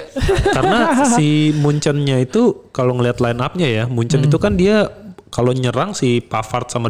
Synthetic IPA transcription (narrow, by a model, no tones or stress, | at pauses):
karnasssimuɲt͡ʃənɲait̪ukaloŋəliɦat̪lainap̚ɲajamuɲt͡ʃənit̪ukandiakaloɲəɾaŋsipafart̪̚sama